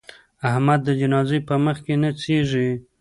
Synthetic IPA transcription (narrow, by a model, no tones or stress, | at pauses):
ahmad̪ːəd͡ʒanɑzejpəməxkenat͡seʐi